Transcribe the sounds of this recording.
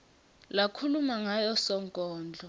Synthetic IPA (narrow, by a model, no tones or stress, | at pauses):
lakʰulumaŋajɔsɔŋkʼɔːnd͡ɮʱɔ